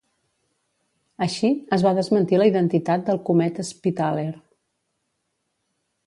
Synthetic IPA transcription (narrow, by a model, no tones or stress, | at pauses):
əʃiəzβaðəzmənt̪iləiðənt̪it̪at̪̚d̪əlˠkumɛt̪əspit̪aleɾ